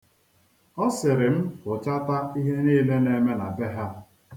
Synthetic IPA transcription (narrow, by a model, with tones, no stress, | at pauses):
ɔ˦sɪ˨ɾɪ˨m̩˦kʊ˨t͡ʃa˦ta˦i˦ɦe˦niː˦le˦ne˦me˦na˨be˦ɦa˦